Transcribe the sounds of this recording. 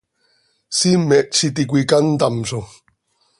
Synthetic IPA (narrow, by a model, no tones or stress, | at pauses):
simeʔt͡ʃit̪̬ik̬ʷikant̪amso